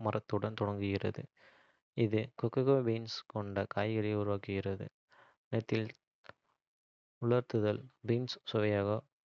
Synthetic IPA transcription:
mɐɾʔɐt̪ːɯɽɐnt̪ɔɽɐŋɡɯɣɪrɐ̰ðɯ̰ | ɪðɯkɔkːɐɣɐbiːnskɔɳɖɐkaːjɣɐɾɐʊɾʊʋaːkɯɪɣɪrɐðɯ̰ | nɛt̪ːɪl | ʊɭɐɾt̪ɯðɐlbiːnssʊʋɐjaːɣɐ

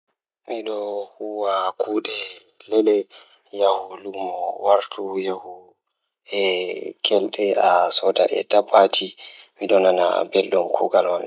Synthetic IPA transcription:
miɗɔhuwakuːɗɛ | lɛɗɛ | jahulumɔwaɾtʰujahu | ɛkʰɛlɗɛasɔda̰ʔɛ̰tapːatʰimiɗɔnana̰bɛlɗɔmkʰuɡalwan

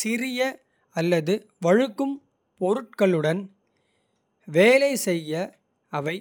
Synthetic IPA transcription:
sɪɾɪjɐ | ɐlːɐðɯ | ʋɐɻɯkːɯm | pɔɾɯʈ̚kɐɭɯɽɐn | ʋeːlɐɪsɛjːɐ | ɐʋɐɪ

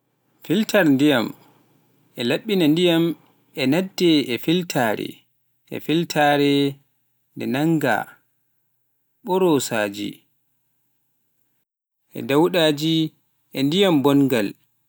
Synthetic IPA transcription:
filtʰaɾndijam | ʔɛlaɓːinandijam | ʔɛnadːɛɛfiltʰaːɾɛ̰ | ʔɛ̰filtʰaɾɛ | ndɛnaŋɡa̰ | ɓɔɾɔsaːd͡ʒḭ | ʔɛ̰dawɗaːd͡ʒi | ʔɛndijambɔnɡal

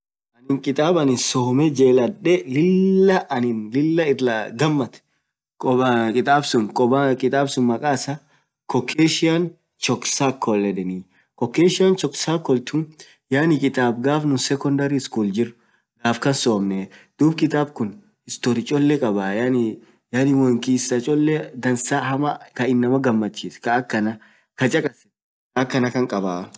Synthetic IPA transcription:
ʔɐnɪŋkʼɪt̪ʼaːbɐnɪnsoːmɛd͡ʒeːlɐᶑɛlɪlːɐʔɐnɪnlɪlːɐɪraɡɐmːɐt̪ | kʼɔkʼɪt̪ʼaːbsʊmkʼɔbakʼɪt̪ʼaːbsʊmːɐkʼaːsɐ | kɔkʰːeːʃɪan | t͡ʃɔksaːkʰːɔlːɛᶑɛni | kɔkːeːʃɪjant͡ʃɔksaːkːɔlt̪ʰʊn | jaːnɪkʼɪt̪ʼaːb̚ɡaːfnʊsɛkɔnd̪ɐɾɪɪskuːld͡ʒɪrːʊ | ɡaːfkɐnsoːmnɛd̪̥uːbkʼɪt̪ʼaːbkʊn | hɪst̪oɾɪt͡ʃʼɔlːɛkʼɐbaːjani | jaːnɪwɔŋkiːsɐt͡ʃʼɔlːɛd̪ɐnsaːhɐmkɐɪnːɐmɐɡɐmːɐt͡ʃːiːskɐːkːɐnɐ | kɐt͡ʃʼɐkʼɐsɛ | kɐɐkːɐnɐkɐŋkʼɐbaː

